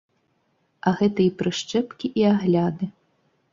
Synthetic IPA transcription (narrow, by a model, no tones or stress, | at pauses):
ɐɣɛt̪ɐipɾɨʂt͡ʂɛpkʲiʔiaɣlʲad̪ɨ